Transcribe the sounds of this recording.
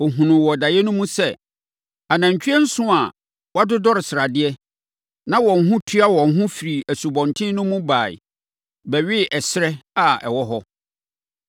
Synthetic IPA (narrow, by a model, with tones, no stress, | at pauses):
ɔ˨ɦũ˨nʊ̃˨wɔ˨da˨jɛ˦nʊ̃˦mũ˦sɛ˦ | a˨nã˨ɲ˨t͡ɕʰᶣɥɛ˦n̩˦sʊ̃˦a˨ | wa˦dʊ˦dɔ˦ɾɪ˨sɪ˨ɾa˨dɪ˦ɛ˦ | nã˦wɔ̃˨n̩˦ɦʊ̃˦tʰi˦a˦wɔ̃˨ŋ̩˨ɦʊ̃˦fi˨ɾi˨æ˨su˨bɔ̃˨ntʰɪ̃˦nʊ̃˦mũ˦baː˨ḭ˨ | bɛ˨ɥɪ˦ʔɛ˨sɪ˦ɾɛ˦a˨ɛ̰˨wɔ˦ɦɔ˦